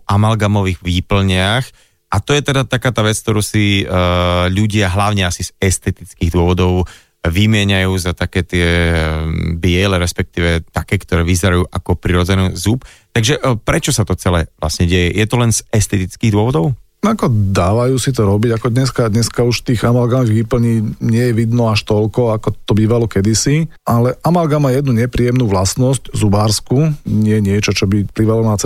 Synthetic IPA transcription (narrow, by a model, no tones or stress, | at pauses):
ʔamalɡamɔʋiːɣʋiːpl̩ɲɪax | ʔat̪ɔjɛt̪ɛd̪at̪akaːt̪aːʋɛt͡sk̚t̪ɔɾuːsi | ʎuɟɪaɦlaʊɲɛasiz̥ɛst̪ɛt̪it͡skiːɣd̪ʊɔʋɔd̪ɔʊ | ʋimɪɛɲajuːzat̪akɛːt̪ɪɛ | bɪɛlɛɾɛspɛk̚t̪iːʋɛt̪akɛːkt̪ɔɾɛːʋizɛɾajuːʔakɔpɾiɾɔd͡zɛnɛzup | t̪aɡʒɛʔpɾɛt͡ʃɔsat̪ɔt͡sɛlɛʋla̰sɲɛɟɛjɛjɛt̪ɔlɛnzɛst̪ɛt̪it͡skiːɣd̪ʊɔʋɔd̪ɔʊ | akɔd̪aːʋajuːsit̪̬ɔɾɔbiɟakɔd̪ɲɛskad̪ɲɛskauʃt̪iːɣamalɡanɔɣʋipl̩ɲiːɲɪɛjɛʋid̪nɔaʃt̪ɔlkɔakɔt̪ɔbiːʋalɔkɛd̪isiʔalɛʔamalɡamaːjɛd̪nuɲɛpɾiːjɛmnuːʋlasnɔsczubaːɾskuɲɪɛɲɪɛt͡ʃɔt͡ʃɔbipliːʋalɔnat͡s